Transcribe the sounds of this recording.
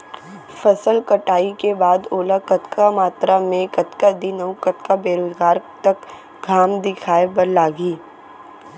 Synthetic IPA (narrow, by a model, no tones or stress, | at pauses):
fɐsəlkɐʈaːikebaːd̪oːlakɐt̪kʰamaːt̪ɾamẽkɐt̪kad̪ɪnəwkɐt̪kabeːɾoːzɡaːɾt̪ɐk | ɡʱaːmd̪ɪkʰaːebɐɾlaːɡiː